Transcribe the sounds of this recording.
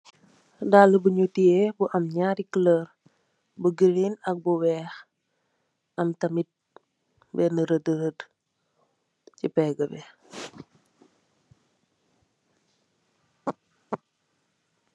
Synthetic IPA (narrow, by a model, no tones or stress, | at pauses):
daːləbəɲutiebuʔɐmɲaːɾikləɾ | bəɡəɾinɐk̚buwɛːx | ɐmtɐmit̚ | bɛnəɾədəɾəd | cipɛːɡəbɛ